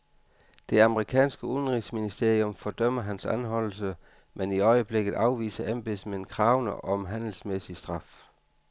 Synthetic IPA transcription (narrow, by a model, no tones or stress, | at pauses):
d̥e̝ɑ̈məʁikʰɛ̰ːnsɡ̥əuðˠn̩ʁisminisd̥e̝ɐijomfɒ̽d̥œm̰ɐɦænsænɦɒ̽l̰l̩s̬ə | meniɒ̽ɪəb̥le̝ɡ̥ð̩ˠɑ̈ʊʋḭːsɐʔemb̥esmeenkʰʁɑ̈ʊnəʔɒ̽mɦæn̰l̩smesisd̥ʁɑ̈f